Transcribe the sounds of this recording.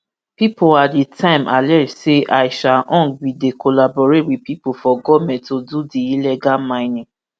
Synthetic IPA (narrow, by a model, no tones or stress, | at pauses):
pipoladetʰãɪ̃mʔa̰lɛseʔaɪʃaʔɔ̃ŋbidekolabɔɾetwipipofɔɡɔvmɛ̃ntodudiilɛɡamãɪ̃nĩ